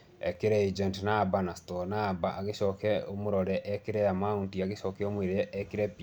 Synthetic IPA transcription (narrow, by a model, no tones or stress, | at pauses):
ɛkeɾɛid͡ʒɛntnaːbanastɔnaːbaʔaɣeʃɔkɛomoɾɔɾɛʔɛkeɾɛjamauntiaɣeʃɔkɛomweɾeɛʔɛkeɾɛpi